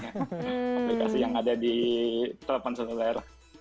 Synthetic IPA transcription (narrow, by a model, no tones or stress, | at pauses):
ɔmlikasijaŋadadit̪əlapansaslaɛr